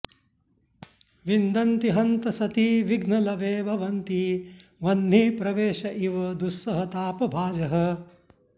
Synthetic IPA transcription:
ʋind̪ɐnt̪iɦɐnt̪ɐsɐt̪iːʋiɡnɐlɐʋeːbʱɐʋɐnt̪iʋɐnːiːpɾɐʋeːʃɐʔiʋɐd̪usːɐɦɐt̪aːpɐbʱaːd͡ʒɐɦɐ

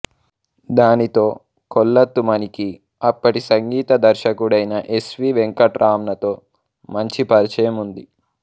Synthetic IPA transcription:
d̪aːnit̪o̞ː | kɔlːɐt̪ːumɐniki | ɐpːɐʈisɐŋɡiːt̪ɐd̪ɐɾʃɐkuɽɐjnɐʔe̞sʋiːʋeŋkɐʈɾʔaːmnɐt̪o̞ː | mɐɲt͡ʃipɐɾt͡ʃɐjɐmund̪i

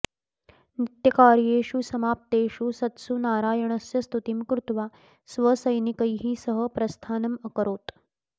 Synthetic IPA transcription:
nit̪jɐkaːɾjeːʂusɐmaːp̚t̪eːʂusɐt̪sunaːɾaːjɐɳɐsjɐst̪ut̪imkɾut̪ʋaː | sʋɐsɐjnikɐjɦiːsɐɦə̆pɾɐst̪ʰaːnɐmɐkəɾoːt̪

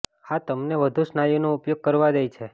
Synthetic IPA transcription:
hat̪əmneʋəd̪ʱusnajunoupjoɡ̚kəɾʋad̪ejt͡ʃʰe

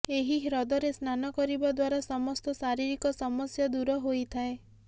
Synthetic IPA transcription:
eɦiɾɔd̪ɔɾesnanɔkɔɾibɔd̪waɾasɔmɔst̪ɔsaɾiɾikɔsɔmɔsjɔd̪uɾɔɦojt̪ʰae

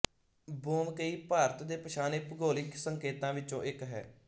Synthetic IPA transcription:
boːmkəiːpaːɾət̪d̪eːpəʃaːneːpəɡoːlɪksəŋkeːt̪ãːʋɪt͡ʃõːʔɪkɦɛ̰ː

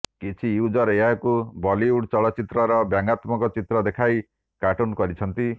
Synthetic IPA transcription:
kit͡ʃʰiud͡ʒɔɾeɦakubɔliuɽt͡ʃɔɭɔt͡ʃit̪ɾɔɾɔbjaŋɡat̪mɔkɔt͡ʃit̪ɾɔd̪ekʰaj | kaʈunkɔɾit͡ʃʰɔnt̪i

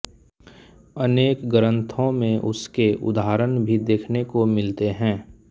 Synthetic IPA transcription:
əneːkɡəɾə̃nt̪ʰõmẽʔʊskeʔʊ̰d̪aɾənbʱid̪eːkʰnekomɪlt̪eɦɛ̃ː

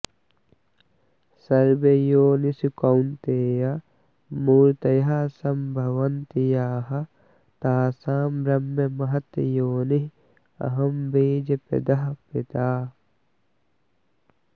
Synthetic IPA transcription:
sɐɾbejoːnisukɐwnt̪eːja | muːɾt̪ɐjaːsɐmbʱɐʋɐnt̪ijaːɦɐ | t̪aːsaːmbɾɐmːɐmɐɦɐt̪joːniɦ | ɐ̰ɦɐmbeːd͡ʒɐpɐ̰d̪ɐɦɐpɪt̪aː

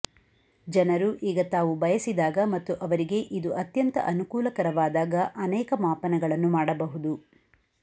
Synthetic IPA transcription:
d͡ʒɐnɐɾuʔiːɡɐt̪aːʋubɐjɐsid̪aːɡɐmɐt̪ːuʔɐʋɐɾiɡe̞ʔid̪uʔɐt̪jɐnt̪ɐ̰ʔɐnukuːlɐkɐɾɐʋaːd̪aːɡɐʔɐnɛːkɐmaːpɐnɛɡɐɭɐnːumaːɽɐbɐɦud̪u

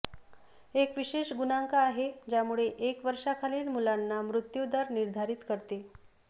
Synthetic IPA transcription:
ekʋiɕeʂɡunaŋkaːɦed͡ʑjamuɭeʔekʋəɾʂakʰaliːlmulanːamɾut̪jud̪əɾniɾd̪ʱaɾiːt̪kəɾt̪e

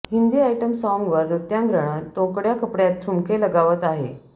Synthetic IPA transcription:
hind̪iːajʈəmsɔŋɡʋəɾːut̪jãŋɡɾəɳ̃ət̪õkɽjakəpɽjat̪ʰːɾumkʰeləɡaʋət̪aɦe

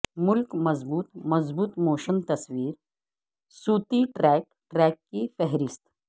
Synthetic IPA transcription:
mʊlkmɐzbuːt̪mɐzbuːt̪moːʃənt̪ɐsʋiːɾ | suːt̪iʈɾɛːk̚ | ʈɾɛkːifɛɦɾist̪

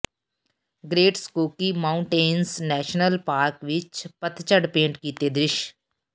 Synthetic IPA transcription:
ɡɾeːʈskoːkiːmaːʊɳʈeːnsnɛːʃnəlpaːɾkʋɪt͡ʃpət̪t͡ʃəɖpẽːɳʈkiːt̪eːd̪ɾɪʃ

